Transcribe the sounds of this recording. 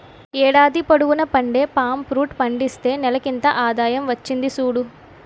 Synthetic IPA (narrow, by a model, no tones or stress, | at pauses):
ɛːɽaːd̪ipɐɽuɣunɐpɐɳɖe̞ːpaːmpɾuːʈpɐɳɖist̪e̞ːnɛlɐkint̪ɐʔaːd̪aːjɐmʋɐt͡ʃːind̪isuːɽu